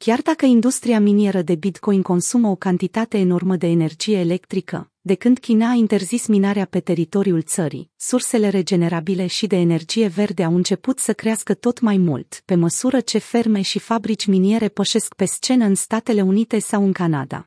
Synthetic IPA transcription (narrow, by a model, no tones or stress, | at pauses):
kʲard̪akəind̪ust̪ɾiaminie̞ɾəd̪e̞bit̪ko̞jiŋko̞nsuməo̞kant̪it̪at̪e̞ːno̞rməd̪e̞ːne̞rd͡ʒije̞ːle̞kt̪ɾikə̰ | d̪e̞kɨnd̪kʲinaint̪e̞rzisminaɾeape̞t̪e̞ɾit̪o̞ɾiult̪səɾḭsurse̞le̞ɾe̞d͡ʒe̞ne̞ɾabile̞ʃid̪e̞ːne̞rd͡ʒije̞ve̞rd̪e̞awɨnt͡ʃe̞put̪səkɾeaskət̪o̞t̪majmṵlt̪pe̞məsuɾət͡ʃe̞fe̞rme̞ʃifabɾit͡ʃʲminie̞ɾe̞pəʃe̞skpe̞st͡ʃe̞nəɨnst̪at̪e̞le̞unit̪e̞sawɨŋkana̰d̪a̰